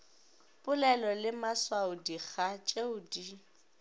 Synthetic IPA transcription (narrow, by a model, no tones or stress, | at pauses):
pʼʊlɛlɔlɪmaswaʊdiɣat͡ʃʼeuːdi